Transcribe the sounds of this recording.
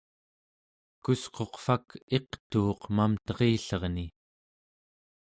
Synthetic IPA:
kusqo̞qfake̞qt̪uːqmamt̪ʌʁiːɬʌʁni

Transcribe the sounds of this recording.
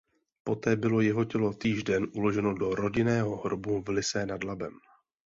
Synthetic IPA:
po̞t̪ɛːbɪlo̞jɛɦo̞cɛlo̞t̪iːʒdɛnʔulo̞ʒɛno̞do̞ɾo̞ɟɪnɛːɦo̞ɦɾobuvlɪsɛnadlabɛm

